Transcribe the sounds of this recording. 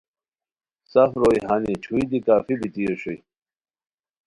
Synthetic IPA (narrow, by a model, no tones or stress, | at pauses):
safɾojɦanit͡ɕʰuid̪ikaːfibit̪ijoɕuj